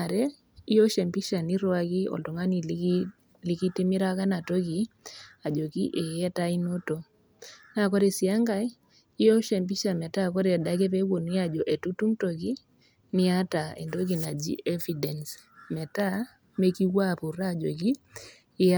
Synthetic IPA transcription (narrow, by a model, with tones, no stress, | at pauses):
a˨ɾɛ˦ | i˦jɔ˦ʃɛ˨mpi˦ʃa˨ni˦ɾwa˦ki˦ɔ̰˨ldɔ˨ŋa˦ni˨ | li˨ki˦ti˦mi˦ɾa˦ka˦na˨to˦ki˨a˨d͡ʒo˨ki˦ʔe˨jɛ˦ta˦i˦no˦to˨ | na˨kɔ˦ɾe˨si˨a˦ŋɡa˦j | ɪ˦jɔ˦ʃɛ˨mpi˦ʃa˨mɛ˨ta˦kɔ˦ɾe˨da˦kɛ˦pe˦wo˨ni˦a˨d͡ʒɔ˨ʔe˨tu˦tu˦mto˨ki˦ | ni˦a˦ta˨ɛ̰˨ndo˦k̬i˨na˨d͡ʒḭ˦ʔɛ˦vi˨dɛ˨nsmɛ˨ta˦ | me˦ki˦wa˦˨pu˨ɾa˦˨d͡ʒo˨kiː˦